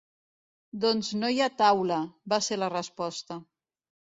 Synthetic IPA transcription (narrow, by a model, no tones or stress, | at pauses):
d̪onznojat̪awləbaselərəspɔst̪ə